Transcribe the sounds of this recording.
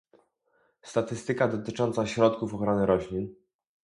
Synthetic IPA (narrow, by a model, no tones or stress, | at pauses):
st̪at̪ɘst̪ɘkad̪ɔt̪ɘt͡ʂɔnt̪saɕɾɔt̪kufɔxɾɔnɘɾɔɕlʲin